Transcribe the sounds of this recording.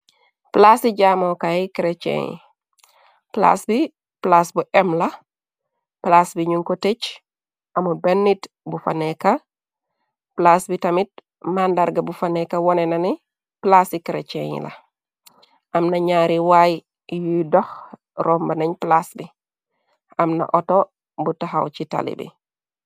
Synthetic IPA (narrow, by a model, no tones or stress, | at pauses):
plasiɟaːmokajikɾet͡ʃḛɲḭ | pla̰sbi | plasbuʔɛmlɐ | plasbiɲuŋkotet͡ʃ | ʔɐmubenːit | bufa̰neka | plasbitɐmit̚ | mandaɾɡabufanekawɔnenani | plasikɾḛt͡ʃḛɲḭla̰ | ʔamnɐɲaɾiwaj | judɔx | ɾɔmbɐnaɲplasbi | amna̰ʔoto | butaɦawt͡ʃita̰lḭbḭ